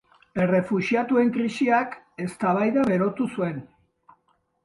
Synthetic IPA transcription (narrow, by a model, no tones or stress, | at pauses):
e̞re̞fuʃiat̪ue̞ŋkɾisiak | e̞st̪aβajðaβe̞ɾo̞t̪usue̞n